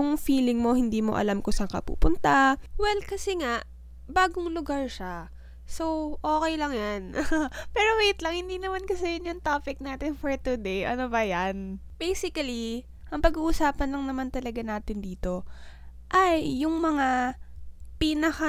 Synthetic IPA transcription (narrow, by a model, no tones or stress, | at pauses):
ʊŋfiːlɪŋmo̞hɪnd̪iːmo̞ʔɐ̰lamkosɐkɐ̰pṵːpʊnt̪awɛlkɐsɛŋaʔ | baːɡʊŋlʊɡaɹʃa | so̞wʔo̞ːkɛjlɐŋjanpɛːɾowejt̪lɐŋhɪnd̪iːnɐmankɐsɛjʊnjʊŋt̪aːpɪk̚naːt̪ɪnfoɹt̪ʊd̪ejʔɐnobɐjan | b̥ejsɪkɐli | ʔɐŋpɐɡuːʔusaːpɐnlɐŋnɐmant̪ɐlɐɡanaːt̪ɪnd̪iːt̪o̞ | ʔɐjːʊŋmɐŋa | pinɐxa